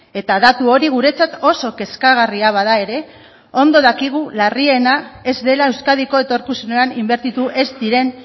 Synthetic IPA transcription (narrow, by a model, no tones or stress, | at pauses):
e̞t̪aðat̪uo̞ɾiɣ̞uɾe̞t͡sat̪o̞so̞ke̞skaɣ̞ariaβ̞að̞ae̞ɾe̞ | o̞nd̪o̞ðakiɣ̞ularie̞nae̞zd̪e̞lae̞wskaðiko̞e̞t̪o̞ɾkusuneanimbe̞ɾt̪it̪uʔe̞zd̪iɾe̞n